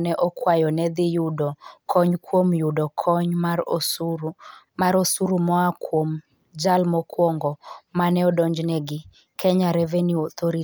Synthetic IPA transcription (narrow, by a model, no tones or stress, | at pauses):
nɛʔɔkwajɔnɛd̪ɪjudɔkʰɔɲkwomjudɔkʰɔɲmaɾosu | maɾosuɾumɔakom | d͡ʒalmɔkwɔŋɡɔmanɛɔdɔɲd͡ʒnɛɡɪ | kʰɛɲaɾevenjuɔt̪ʰoɾi